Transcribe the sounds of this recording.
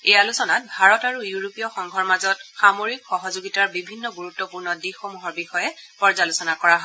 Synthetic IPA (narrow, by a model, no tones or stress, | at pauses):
ejalusɔnat̚bʱaɹɔtaɹujuɹopijɔxɔŋɡʱɔɹmazɔtxamoɹikxɔɦɔzoɡitaɹbibʱinːɔɡuɹutːɔpuɹnɔdixomuɦɔɹbixɔjɛpɔɹzalʊsɔnakɔɹaɦɔ